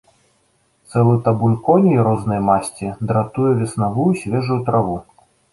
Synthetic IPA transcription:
t̪sɛlˠɨt̪ɐbulʲkɔnʲijɾɔznɐjmasʲt͡sʲid̪ɾat̪ujɛvʲɛsnavujusʲvʲɛʐujut̪ɾavu

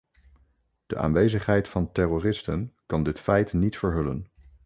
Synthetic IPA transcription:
d̥ə̰ʔa̰ːnʋejzəχɦɛjtfɑntɛroːrɪstənkɑndɪtfɛjtnitfəɹɦɵlə̰n

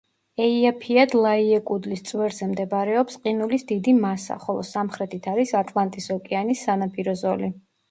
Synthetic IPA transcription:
ɛiapʰiad̪lˠaiɛkʼud̪list̪sʼwɛɾzɛmd̪ɛbaɾɛɔpsqʼinulisd̪id̪imasa̰χɔlˠɔ̰samχɾɛt̪ʰit̪ʰaɾisat̪ʼlˠant̪ʼisɔkʼɛanisːanapʼiɾɔzɔli

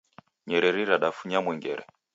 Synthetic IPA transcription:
ɲɛɾɛɾiɾaɗafuɲamwɛŋɡɛ̰ɾɛ̰

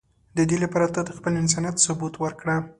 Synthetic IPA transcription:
d̪əd̪elapɑɾat̪əd̪əxpəlɪns̬ɑnat̪sʊbut̪wəɾkɽa

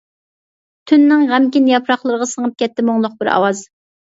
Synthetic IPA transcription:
t̪ʰynːɪŋʁɛmkʲinjɑpʰɾɑχlˠəɾəʁɑsəŋəp̚kʲɛt̪ʰːɪmoŋlˠʊq̚bɪɾɑ̰wɑz

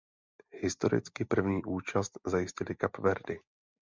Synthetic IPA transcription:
hɪst̪o̞ɾɪ̰t͡skɪpr̩vɲiːʔuːt͡ʃast̪zajɪscɪlɪkapvɛɾdɪ

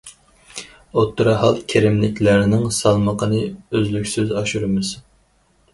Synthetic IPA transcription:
ot̪ʰːɨɾɑɦɑlˠkʲʰeɾɪmlɪkʲʰlɪɾɪnɪŋsɑlˠməqʰənɨøzlykʲsyzɑʃuɾɨmɨz̥

